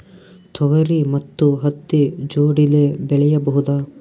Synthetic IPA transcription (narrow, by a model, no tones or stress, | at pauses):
t̪ʰɔɣɐɾimɐt̪ːuɦɐt̪ːid͡ʒoːɽilebɛɭɛjɐbɐɦud̪ɐ